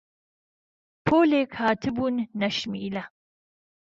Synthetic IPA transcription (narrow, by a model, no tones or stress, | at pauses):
pʰoːleːkhaːt̪ʰɨbuːnːɐʃmḭːlɐ